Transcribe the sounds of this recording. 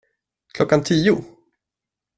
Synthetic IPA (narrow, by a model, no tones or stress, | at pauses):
kʰlɔkːant̪ʰiːʊ